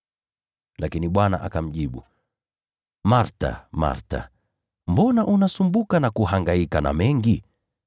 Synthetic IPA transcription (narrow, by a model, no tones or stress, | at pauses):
lakiniɓwana̰ʔakam̩ʄiɓu | maɾta̰ma̰ɾta̰ | mbɔnaʔunasumbukanakuhaŋɡaikana̰mɛŋɡi